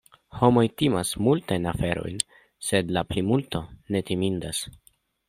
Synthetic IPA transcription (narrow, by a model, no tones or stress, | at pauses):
ho̞mo̞jtimasmultajnafe̞ɾo̞̰jn | sedlaplimulto̞ne̞timindas